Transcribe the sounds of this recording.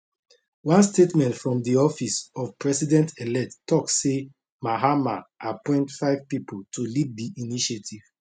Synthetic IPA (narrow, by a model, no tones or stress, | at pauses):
wãnstetmɛ̃ntfɹɔ̃mdiɔfisɔv̥pɹɛsidɛ̃ntʰelɛttɔksse | maɦamaʔapɔ̃ɪ̃ntfaɪvpipʰoltʰulivdiʔiniʃetʰiv̥